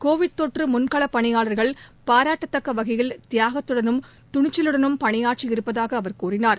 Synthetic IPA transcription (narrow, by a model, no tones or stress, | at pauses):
koːʋɪɽt̪oːʈrɯmʊnkɐɭɐpːɐɳɪjaːɭɐɾɣɐɭpaːɾaːʈːɐt̪ːɐkːɐʋɐɣɐjɪlt̪ɪjaːɣɐt̪ːɯɽɐnɯm | t̪ʊɳɪt͡ʃːɪlɯɽɐnɯmpɐɳɪjaːʈ̚t͡ʃɪɪɾɯpːɐðaːɣɐːʋɐɾkuːrɪnaːɾ